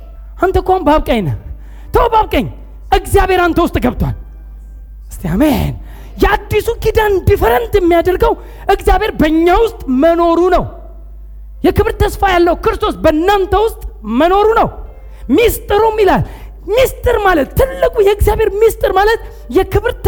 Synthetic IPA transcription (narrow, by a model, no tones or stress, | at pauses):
ʔant̪ʰəkʷambaβkʼəɲna̰ | t̪ʰəwbaβkʼəɲ | ʔɨɡzijaβhe̞ɾant̪ʰəwʊst̪ʼɡəβt̪ʰwa̰l | ɨst̪ʰea̰mḛn | jɛad̪ːisukid̪and̪ifəɾənt̪jɛmːijad̪əɾɡəw | ʔɨkzjaβheɾbəɲːawʊst̪ʼməno̞ɾunəw | jɛkɨβɾt̪ʰːəsfajalːəhukɨɾɨst̪ʰo̞sbənːant̪ʰəwʊst̪ʼməno̞ɾunəw | mist̪ʼɨɾəwmːilal | mist̪ʼɨɾmalət̪ːɨlːɨkʼujɛɨɡzijaβhe̞ɾmist̪ʼɨɾmalət̪ | jɛkɨβɾt̪